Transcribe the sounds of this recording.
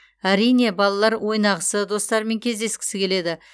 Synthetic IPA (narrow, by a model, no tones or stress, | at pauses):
æɾijne̞bɑlˠɑlˠɑɾwʔo̞jnɑʁəsəd̪o̞st̪ɑɾme̞ŋkʲʰe̞zd̪e̞skʲɪ̥sɪkʲʰe̞le̞d̪ɪ